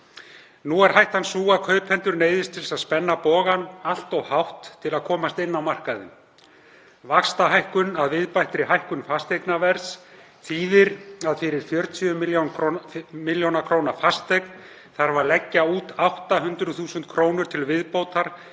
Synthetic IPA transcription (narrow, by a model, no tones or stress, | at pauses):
nuɛɾ̥hajht̪hansuːakʰœːɥphɛnt̪ʏɾneːjðɪst̪ʰɪlsaðspɛnːapɔːɣanal̥t̪ɔɣhawht̪ʰːɪlaðkʰɔːmast̪ɪnːawmar̥kaðʏ̰m | vakst̪aɦajhkʏnaðvɪðpajht̪ɾɪɦajhkʏnfast̪ejknavɛɾs | θiːðɪɾaðfɪɾɪɾ̥fjœɾt̪ʰiʏmljon | mɪljownakʰɾoːwnaɾfast̪ejkn | θaɾvaɾlɛcːauːt̪awht̪aɦʏnt̪ɾʏθuːsʏnt̪̚kʰɾoːwnʏɾ̥t̪ʰɪlvɪðpoːwt̪aɾ̥